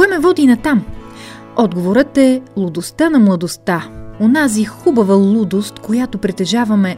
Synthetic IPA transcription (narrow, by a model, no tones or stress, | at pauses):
kɛmɛvɔd̪inɐt̪am | ɔd̪ɡovoɾət̪ɛlˠʊd̪ost̪anɐmlˠɐd̪ost̪aonazixubɐvɐlˠud̪ost̪kojat̪opɾɛt̪ɛʒavɐmɛ